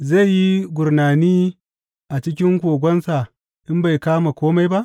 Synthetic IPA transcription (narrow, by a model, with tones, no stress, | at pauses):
za˦˨jjːi˦ɡʷʊ˨ɾnaː˨niː˦ | ʔa˨t͡ʃɪ˦k̬ʲɪ˦ŋkʷoː˨ɡʷɔ˦nsa˨ | ʔɪ˦mba˨jkaː˦ma˨kʷoː˦ma˦jba˦ʔ